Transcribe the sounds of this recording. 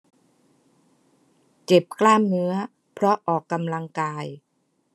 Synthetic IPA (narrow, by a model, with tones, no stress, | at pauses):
t͡ɕe˨˩p̚kʰlaː˥˩mnɯ˦˥ɐ | pʰɾɔ˦˥ʔɔː˨˩kːa˧mla˧ŋkaː˧j